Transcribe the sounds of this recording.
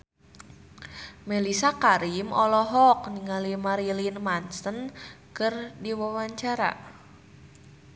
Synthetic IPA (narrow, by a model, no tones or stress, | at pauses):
mɛlisakaɾimɔlɔɦɔk̚niŋalimaɾilinmansənkɨrdiwawaɲt͡ʃaɾa̰